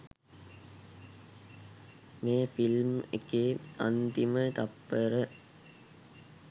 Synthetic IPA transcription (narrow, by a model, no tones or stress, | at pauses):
meːfilmḛkeːa̰nt̪imət̪apːəɾə